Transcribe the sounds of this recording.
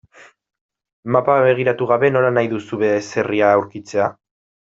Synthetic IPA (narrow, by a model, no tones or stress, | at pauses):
mapaβe̞ɣ̞iɾat̪uɣ̞aβe̞no̞lanajðusuβese̞riaːwɾkit͡se̞a